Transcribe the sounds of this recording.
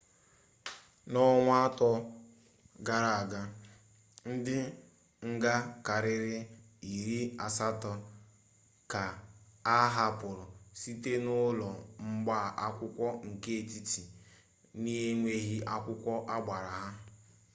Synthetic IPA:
nɔ˦ŋʷ˦a˦tɔ˦ | ɡa˨ɾa˨a˨ɡa˦ | n̩˦dɪ˦ | ŋ̩˦ɡa˦ka˨ɾɪ˦ɾɪ˦ | i˨ɾi˦a˨sa˦tɔ˨ | ka˨a˦ɦa˦pʊ˨ɾʊ˨si˦te˦nʊ˦lɔ˨ŋ͡m̩˦ɡ͡ba˦˨ʔa˦kʷʊ˦kʷɔ˦ŋ̩˨ke˦e˨ti˦ti˨ | ni˦ɦe˦ŋʷe˦ɦi˦ʔa˦kʷʊ˦kʷɔ˦ʔa˦ɡ͡ba˨ɾa˨ɦa˦

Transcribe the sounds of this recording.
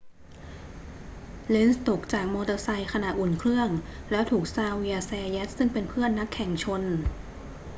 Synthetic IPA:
le˦˧˥nst̪o˨˩k̚t͡ɕaː˨˩k̚mɔː˧d̪ɤ˧sa˧jkʰa˧naː˨˩t̪ʔu˨˩nkʰɾɯ˥˩əŋlɛː˦˥wt̪ʰuː˨˩k̚saː˧wi˧a˧sɛː˧jɛ˦˥t̪̚sɯ˥˩ŋpe˧npʰɯ˥˩ənːa˦˥kʰːɛ˨˩˦ŋt͡ɕʰo˧n

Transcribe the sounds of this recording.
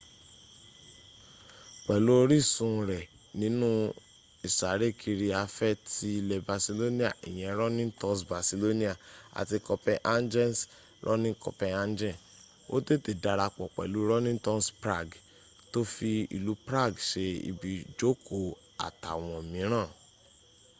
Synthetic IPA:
k͡pɛ˨lu˦o˧˦ɾi˦˨sũ˧ɾɛ˨ | nĩ˨˦nũ˦ | i˨sa˨˦ɾe˦˨kʰi˧ɾi˧a˧fɛ˦˨ti˧lɛ˨ba˨si˧lo˦nĩ˦a˦˨ḭ˨j̃ɛ̃˨˦ɾɔ˦nĩ˦tɔ̃˦sba˨si˧lo˦nĩ˦a˨a̰˨ti˧kɔ˧pɛ˧ʔa˦nd͡ʒɛ˦ns | ɾʔɔ̰˦nĩ˦kɔ̰˧pɛ̃˧a˦nd͡ʒɛ̃˦˨ | o̰˦te˦˨te˨da˧ɾa˧k͡pɔ˨k͡pɛ̰˨lu˨˦ɾɔ˦nĩ˦tɔ̃˦spɾa˦˨ɡ | to˦fi˧ḭ˨lu˨˦pɾa˦˨ɡʃe˧ḭ˧bi˨d͡ʒo˦kʰo˨ | a̰˨ta̰˨w̃ɔ̃˨mĩ˨˦ɾ̃ãː˦˨

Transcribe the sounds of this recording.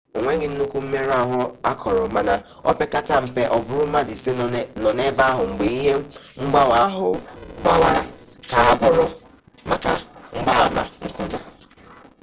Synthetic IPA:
o˨ŋʷe˦ɡɪ˨n̩˦nu˦kʷu˦m̩˦me˦ɾa˦˨ɦʊ˨a˦kʰɔ˨ɾɔ˨ma˨na˨ | ɔ˦pe˦ka˦ta˦m̩˨pe˨ʔɔ˨bʊ˦ɾʊ˦ma˦dɪ˨se˦nɔ˨ne˦ba˦a˦ɦʊ˨ŋ͡m̩˨ɡ͡be˨i˦ɦe˦m̩˦ŋ͡m̩˦ɡ͡ba˦wa˦ɦʊ̰˨˦ɡ͡ba˦wa˦˨ɾa̰˨ka˨a˨bʊ˦ɾʊ˦ | ma˦ka̰˨ŋ͡m̩˦ɡ͡ba˦a˦ma̰˨ŋ̩˦ku˦da˨

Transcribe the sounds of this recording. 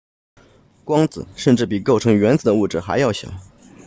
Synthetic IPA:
kwɑ˥ŋt͡sɹ̩˨˩˦ʂə˥˧nʈ͡ʂɻ̩˥˩p̬i˨˩ko˥˩ʊʈ͡ʂʰɤ˧˥ŋɥɛ˧˥nt͡sɹ̩˨˩d̪ə˦u˥˩ʈ͡ʂɻ̩˥˩xa˧˥ɪjɑ˥˩ʊɕjɑ̰˨˩˦

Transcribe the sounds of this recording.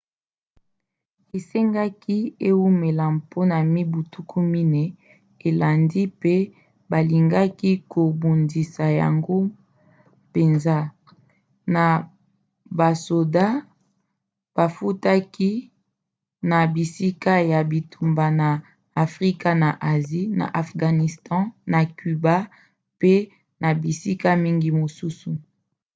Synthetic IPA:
e˨se˦ŋɡa˦ki˦e˦wu˦me˨la˨mpʰo˦na˨mi˦bu˨tu˦kʰu˦mi˦nɛ˦ | e˨la˨ndi˦pe˦ | ba˨li˨ŋɡa˦ki˦kʰo˨bu˨ndi˨sa˨ja̰˨ŋɡo˦ | pe˨nza˦ | na˨ | ba˨so˨da˦ | b̥a˨fu˦ta˦ki˦ | na˨bi˨si˦ka˦ja˨bi˨tʰu˨mba˨naː˨ | fʁi˦ka˦na˨ʔa˨zi˦na̰˨ʔa˨fɡa˨ni˨stɑ̃˦na˨ky˨ba˦ | pe˦ | na˨bi˨si˦ka˦mi˦ŋɡi˦mo˨su˦su˨

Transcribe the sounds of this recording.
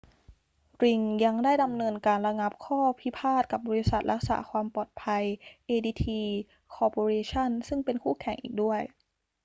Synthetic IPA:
ɾi˧˩ŋja˧ŋdaː˥˩jda˧mnɤː˧nkaː˧nɾa˧ŋa˧˦˥p̚kʰɔː˥˩pʰi˦˥pʰaː˥˩t̪̚ka˨˩p̚bɔː˧ɾi˦˥sa˨˩t̪̚ɾa˦˥k̚sa̰ː˩˦kʰwaː˧mpɔː˨˩t̪̚pʰa˧jʔeː˧diː˧t̪ʰiː˧ | kʰɔː˧poː˧ɾeː˧t͡ɕʰa˥˩˨nsɯ˥˩ŋpe˧nkʰuː˥˩kʰɛ˨˩˦ŋʔḭː˨˩k̚du˥˩əj

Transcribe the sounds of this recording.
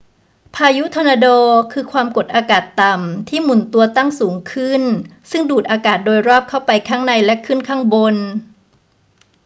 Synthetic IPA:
pʰaː˧ju˦˥t̪ʰɔ˧naː˧doː˧kʰɯː˧kʰwaː˧mko˨˩t̪̚ʔaː˧kaː˨˩t̪ːa˨˩mt̪ʰiː˥˩mu˩˦nt̪u˧ɐt̪a˥˩ŋsuː˩˦ŋkʰɯ˥˩nsɯ˥˩ŋduː˨˩t̪̚ʔaː˧kaː˨˩t̪̚doː˧jɾɔː˥˩p̚kʰa˥˩wpa˧jkʰaː˦˥ŋna˧jlɛ˦˥kʰɯ˥˩nkʰaː˥˩ŋbo˧n

